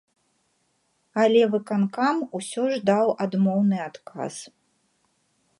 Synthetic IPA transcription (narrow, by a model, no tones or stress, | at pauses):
alʲɛvɨkankamusʲɔʐd̪awad̪mɔwnɨat̪ka̰s